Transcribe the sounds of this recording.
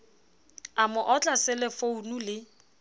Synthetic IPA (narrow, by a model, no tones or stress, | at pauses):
amʊʔɔt͡ɬʼasɪlɪfounulɪ